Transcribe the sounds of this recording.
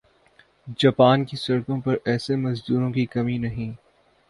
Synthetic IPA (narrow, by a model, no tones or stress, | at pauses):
d͡ʒaːpaːnkisɐɾkõpɐɾɛːsemɐzd̪uːɾõkikɐminɐɦĩː